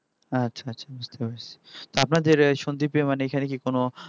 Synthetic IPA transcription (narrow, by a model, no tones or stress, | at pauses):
atːɕʃʰaaːɕʰabust̪epaɾt͡ɕʰe̥t̪oapnad̪eɾʃond̪ipemaneekʰanek̬ikono